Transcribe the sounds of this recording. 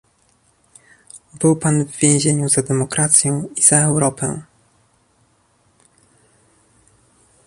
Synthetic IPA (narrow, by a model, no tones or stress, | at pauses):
bɘwpanvvʲjẽw̃ʑeɲuzad̪ɛmɔkɾat̪sʲjɔ̃w̃iz̥aɛwɾɔpʰɛ̰̃